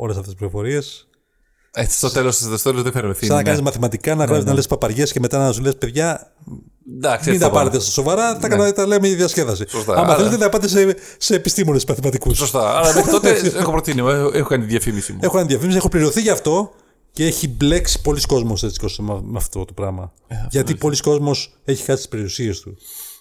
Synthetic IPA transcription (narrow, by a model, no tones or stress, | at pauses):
o̞les̬ɐft̪esplifofo̞ɾie̞s | ei̥st̪ot̪elossst̪ot̪elozðefeɾmeθisɐnɐkɐnizmɐθimɐt̪ikɐnɐɣɾɐsit̪nɐlespɐpɐɾʝe̞sceme̞t̪ɐnɐɐsolespeðʝɐ | d̪ɐksmind̪ɐpɐɾet̪est̪ɐso̞vɐɾɐt̪ɐkɐt̪ɐleumecɐiðjɐsce̞ðɐsisost̪ɐ̰ɐmɐelet̪eθɐpɐt̪esese̞ːpist̪imo̞nesmɐθimɐt̪ikussost̪ɐɐlɐt̪oeexopɾot̪inieexokɐnit̪iðjɐfimisimue̞xokɐniðjɐfimisiexopliɾioθiʝɐft̪o̞ | ceeçible̞ksi̥po̞lisko̞zmoset͡si̥ost̪emmeɐft̪o̞t̪opɾɐmɐ | ʝɐt̪ipo̞lisko̞zmo̞s | e̞çi̥xɐst̪ispe̞ɾiusie̞st̪u